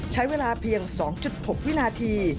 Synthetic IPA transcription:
t͡ɕʰa˦˥jweː˧laː˧pʰiː˧əŋsɔː˩˦ŋt͡ɕu˨˩t̪̚ho˨˩k̚wi˥naː˧t̪ʰiː˧

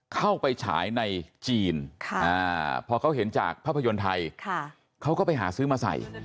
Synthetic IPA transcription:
kʰa˥˩wpa˧jt͡ɕʰa̰ː˩˦jna˧jt͡ɕiː˧nkʰʔaː˧˩pʰɔː˧kʰa˦˥wɦe˩˦nt͡ɕa̰ː˨˩k̚pʰaː˥˩pʰːa˧jo˧nt̪ʰa˧jkʰa˧˩ | kʰa˦˥wkɔː˥˩pa˧jɦa̰ː˩˦sɯː˦˥maː˧sa̰˨˩j

